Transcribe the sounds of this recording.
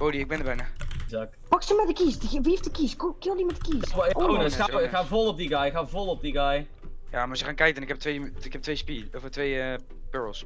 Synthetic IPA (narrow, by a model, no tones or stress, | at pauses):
b̥owdiɪɡ̚bɛndəbɛjnazak̚tpɑksəmɛdəkiːsdʋiɪftəkiskkɪlˠdimɛtdə̥kiːʋjonəsxaxaːvolˠɔp̚diɡajxaːvolˠɔp̚diɡaj | ja̰ːmasəχaːnkɛjkənɪkhɛp̚tʋejɪkɛp̚tʋejspiofətʋejə | pøɹəlˠs